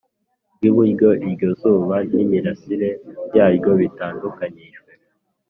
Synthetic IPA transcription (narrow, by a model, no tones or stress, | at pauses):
ɡiβuɟo̞ʔiɾɟo̞zuːβan̥imiɾasiɾe̞jaːjɟo̞βitaːndukaɲiʒwe